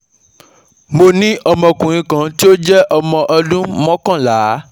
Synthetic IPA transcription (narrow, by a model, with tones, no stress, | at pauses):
mo˧nĩ˦ʔɔ˧mɔ̃˧kũ˨ĩ˧kã˨ti˦o˦d͡ʒɛ˦ʔɔ˧mɔ̃˨ʔɔ˧dũ˦mɔ̃˦kã˦˨la˨˦